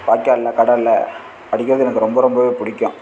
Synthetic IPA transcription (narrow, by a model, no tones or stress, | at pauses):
paːkːaːlːaːkɐɽɐlːɐ̰ | pɐɽɪkːɪɾɐðɯɛnɐkːɯɾɔmbɐɾɔmbɐʋeːpʊɽɪkʲːʊ̃